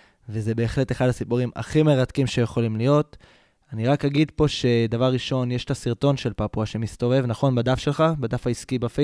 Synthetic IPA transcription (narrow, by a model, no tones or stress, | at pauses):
veze̞be̞ːχle̞te̞χadasipuʁima̰χime̞ʁatkimʃejeχo̞limlijo̞t̪ | aniʁakaɡid̪po̞ʃe̞d̪avaʁːiʃo̞njeʃtasiʁt̪o̞nʃe̞lpapuaʃemist̪o̞ve̞vnaχo̞nbad̪afʃe̞lχabad̪afaiskibafe